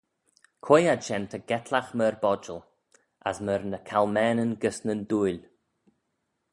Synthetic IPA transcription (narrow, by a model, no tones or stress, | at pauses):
kʰwejadʃɛnt̪ʰəɡ̥ɛt̪ʰlaxməɹbɔd͡ʒəl | a̰sməɾnəkʰalmɛːnənɡəsnənduːjlʲ